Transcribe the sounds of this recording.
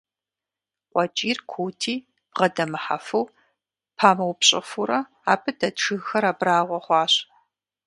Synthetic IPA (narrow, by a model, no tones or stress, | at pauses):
qʷʼɔt͡ʃʼiːrkʷʰuːtʰiː | b̥ʁɐdɐmɨħa̰fuw | pʰaːmɐwpɕʼɪ̰fuɾɐ | aːbʰɨdɐtʈ͡ʂʰɨɣxɐɾaːbraːʁʷɔχʷɑːɕ